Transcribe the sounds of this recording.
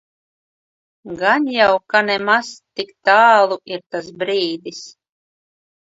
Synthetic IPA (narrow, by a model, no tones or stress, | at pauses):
ɡanjawkanɛmaz̥t̪ikt̪aːlˠuiɾt̪as̬bɾiːd̪is